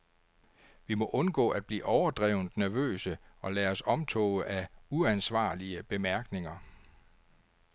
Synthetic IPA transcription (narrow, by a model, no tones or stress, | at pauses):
ʋimɔ̽ʔɔ̽nɡ̥ɔ̰̽ːæd̥̚b̥lḭːʔɒʊɐd̥ʁɛʊnd̥næɐʋø̰ːsəɒ̽læːɒ̽sɒ̽mt͡sʰɔ̰̽ːʔæuænsʋɑ̰̈ːliəb̥e̝mæɐɡ̥ne̝ŋɐ